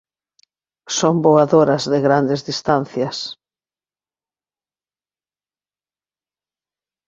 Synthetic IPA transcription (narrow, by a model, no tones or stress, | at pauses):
somboaðoɾɐzðɪɣɾand̪ɪzðist̪an̟θjɐs